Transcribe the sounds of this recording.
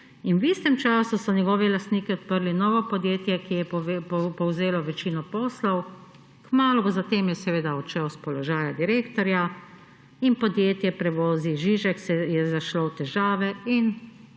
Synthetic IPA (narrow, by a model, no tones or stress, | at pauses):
inwist̪ɛmt͡ʃaːsusɔnɛɡɔːʋiɛlast̪niːkiɔt̪̚pəɾlinɔːʋɔpɔd̪jeːt̪jɛkijɛppɔwzeːlɔʋɛt͡ʃiːnɔpɔːslɔw | kmaːlubɔzat̪eːmjɛsɛʋeːd̪aɔt͡ʃɛwspɔlɔʒaːjad̪iɾeːkt̪ɔɾja | inpɔd̪jeːt̪jɛpɾɛʋoːziʒiːʒɛksɛjɛzaʃlowt̪ɛʒaːʋɛin